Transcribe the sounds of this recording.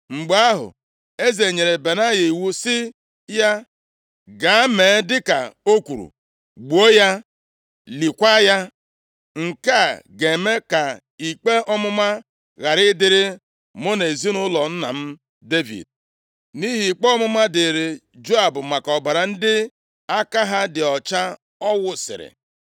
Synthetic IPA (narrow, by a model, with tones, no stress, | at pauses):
ŋ͡m̩˨ɡ͡ba˦ɦʊ̰˨ | e˦ze˨ɲe˨ɾe˨be˨na˦ɣe˨i˨wu˦sɪ˦ | ja˦ | ɡa˨˦me˨˦dɪ˦ka̰˨o˦kʷu˨ɾṵ˨ | ɡ͡bu˨o˦ja˦ | li˨kʷa˦ja˦ | ŋ̩˨ka˦˨ɡe˨me˦ka˨ | i˨k͡pe˦ʔɔ˦mʊ˦ma˦ | ɣa˨ɾɪ˦dɪ˦ɾɪ˦ | mo˦ne˨zi˦nʊ˦lɔ˨n̩˦na̰˨m̩˦ | de˦vḭ˨d̚ | ni˦ɦi˨i˨k͡pe˦ɔ˦mʊ˦ma˦dɪ˨ɾe˨ | d͡ʒo˦a˨bʊ˨ma˨kɔ˨ba˨ɾa˨n̩˦dɪ˦ | a˦ka˦ɦa˦dɪ˨ɔ˨t͡ʃa˦ | ɔ˦wʊ˨sɪ̰˨ɾɪ̰˨